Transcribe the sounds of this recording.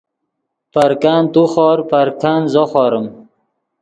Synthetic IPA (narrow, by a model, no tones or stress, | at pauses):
paɾkaːnt̪uxɔːɾpaɾkaːnzoχɑːɾəm